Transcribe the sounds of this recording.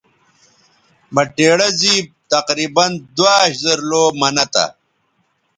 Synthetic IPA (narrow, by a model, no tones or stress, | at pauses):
mɐʈeːɽɐzib̚t̪ɐqɾiːbɐnd̪waːɕzɐɾloːmɐnɐt̪a̰